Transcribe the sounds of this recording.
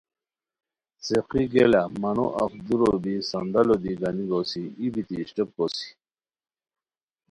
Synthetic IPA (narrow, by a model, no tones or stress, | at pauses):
seqiɡelamɐno̰ʔa̰fd̪uɾobisand̪alod̪iɡaniɡosiibit̪iɕʈep̚kosi̥